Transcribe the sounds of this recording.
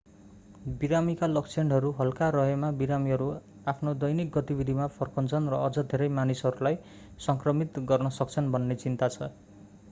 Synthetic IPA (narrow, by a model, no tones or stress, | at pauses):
biɾamikalʌkt͡sʰeɳɖɦʌɾuɦʌlkaɾʌɦʌmabiɾamiɦʌɾu | apʰnod̪ʌjnik̚ɡʌt̪ibid̪ʱimapʰʌrkʌnt͡sʰʌnrʌʌd͡zʌd̪ʱeɾʌjmanisɦʌɾulaj | sʌŋkrʌmit̪ɡʌrnʌsʌk̚t͡sʰʌnbʱʌnːet͡sint̪at͡sʰʌ